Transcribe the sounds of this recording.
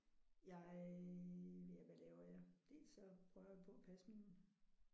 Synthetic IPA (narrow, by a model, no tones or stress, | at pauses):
jɑ̈ɪ | jæʋælɛːʊɐjɑd̥e̝̰ːlsɒpʰʁœʊʋipʰɔ̽æpʰæsəmin̩